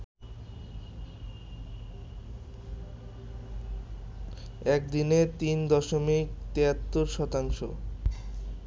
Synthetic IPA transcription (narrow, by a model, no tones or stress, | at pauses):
ɛk̚d̪inet̪ind̪ɔʃomik̚t̪eat̪ːoɾʃɔt̪aŋʃo̰